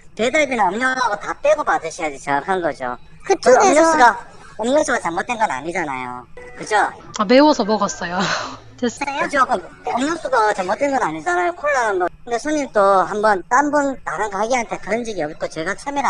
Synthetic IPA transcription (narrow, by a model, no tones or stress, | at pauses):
te̞daɭbinɯnʌmɲʌŋaɡotap͈eɡopadɯɕʰijad͡ʑit͡ɕeŋakʰanɡʌd͡ʑo̰ | kɯt͡ɕmɲʌs͈uɡa | ʌmɲʌs͈ʰuɡat͡ɕamːot̚t͈e̞nɡʌna̰ɲid͡ʑana̰jo̰kɯd͡ʑʰo | ame̞wʌsʰʌmʌɡʌs͈ʌjo | tesɯt͡ɕʰokɯ | ʌmɲʌs͈ʰuɡat͡ɕamːot͈̚enɡʌnaɲid͡ʑanajokʰoɭːanɯnbʌkɯnde̞sʰoɲimt͈ohambʌnt͈ambuntaɾɯnɡhaɡiɦantʰe̞kɯɾʌnd͡ʑiɡiʌp̚k͈ot͡ɕe̞ɡat͡ɕʰameɾ